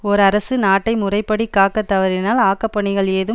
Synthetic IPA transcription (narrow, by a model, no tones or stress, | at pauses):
ɔɾɐɾɐsɯnaːʈːɐɪmʊrɐɪpːɐɽikːaːkːɐt̪ːɐʋɐɾɪnaːlaːkɐpːɐɳɪɣɐɭeːðɯ